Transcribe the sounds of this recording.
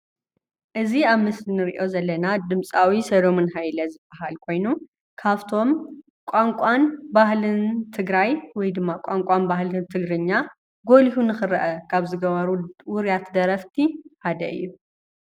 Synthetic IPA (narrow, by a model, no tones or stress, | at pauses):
ʔɨziaβmɨslinɨɾḭʔo̞zɐlːɐnad̪ɨmt͡sʼawisɐd̪o̞mɨnɦajlɐzɨbʼaɦalkʰo̞jnu | kʰaβt̪ʰo̞m | kʷʼaŋkʷʼanbahlɨnt̪ʰɨɡɾajwɔjd̪ɨmːakʷʼaŋkʼanbahlɨnt̪ʰɨɡɾɨɲːa | ɡo̞lihunɨxɨɾɐʔɐkʰaβzɨɡɐβɐɾuwʊɾijat̪d̪ɐɾɐft̪ʰihad̪ɐʔɨ̰jːu